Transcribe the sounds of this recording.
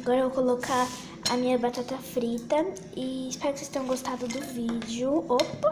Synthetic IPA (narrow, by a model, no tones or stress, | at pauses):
aɡɔɾɐevowkolokʰa | ɐ̰mĩɲɐbat̪at̪ɐfɾit̪ɐ | ɪːspɛɾʊkɪsest̪ẽɲjõɡost̪ad̪ʊd̪ʊvid͡ʒʊop